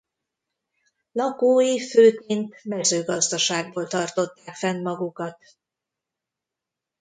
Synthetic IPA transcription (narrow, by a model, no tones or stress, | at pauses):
lɒkoːjiføːkent̪mɛzøːɡɒzd̪ɒʃaːɡ̚boːlt̪ɒrt̪o̞t̪ːaːkfɛnmɒɡukɒt̪